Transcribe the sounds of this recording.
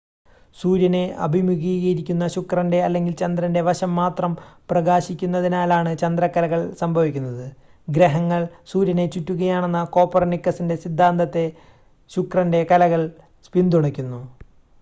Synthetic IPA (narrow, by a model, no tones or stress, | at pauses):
suːɾjɐne̞ɐ̰bʱimjuɣiːɣɐɾikʲːunːɐɕukrɐnde̞ɐlːe̞ŋɡilt͡ɕɐnd̪rɐnde̞ʋɐɕɐmːaːt̪rɐmprɐɣaːɕikʲːunːɐðinaːlaːɳɨt͡ɕɐnd̪rɐkːɐlɐɣɐɭsɐmbʱɐʋikʲːunːɐðɨ | ɡɾeɦɐŋːɐɭsuːɾjɐne̞t͡ɕutːuɣɐjaːɳe̞nːɐko̞ːpːɐrɐnikːɐsinde̞sid̪ʱːaːnd̪ɐt̪ːe̞ | ɕukrɐnde̞kɐlɐɣɐɭ | spind̪uɳɐkʲːunːu